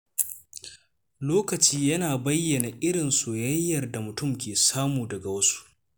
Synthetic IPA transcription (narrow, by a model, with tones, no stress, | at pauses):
loː˦kɐ˨t͡ʃiː˦jɐ˦naː˨bɐ˦jːɐ˨na˨ʔɪ˦ɽɪ˨nsoː˨jɐ˦jːɐ˨rda˨mʊ˨tʊ˦˨mkʲeː˨saː˦muː˨dɐ˨ɡa˨wɐ˦su̥˦ʔ